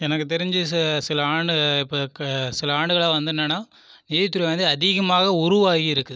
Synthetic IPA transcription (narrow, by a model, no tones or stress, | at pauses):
ɛnɐkːɯt̪̬ɛɾɪɲd͡ʒɯsɪlɐaːɳɖɯɪpːoːsɪlɐaːɳɖɯɣɐɭaːʋɐnd̪ɯnːɐnːaː | niːðɪt̪ːɯɾiʋɐnd̪ɯɐðɪɣɐmaːɣɐʊɾʊʋaːɣiɪɾɯkːɯ